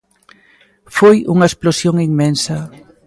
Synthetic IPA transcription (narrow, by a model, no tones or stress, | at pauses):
fojuŋɐesplosjoŋiŋmensɐ